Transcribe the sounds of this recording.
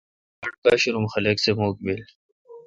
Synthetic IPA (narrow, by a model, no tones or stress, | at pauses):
ɐʈ̚kaːɕuɾumxɐleːksemoːkbil